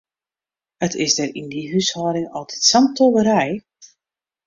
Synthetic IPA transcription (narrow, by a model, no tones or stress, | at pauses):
ətʰɪsdərindiɦyshɔːɾɪŋɔlˠtʰi̥tsamtoʋəɾɛj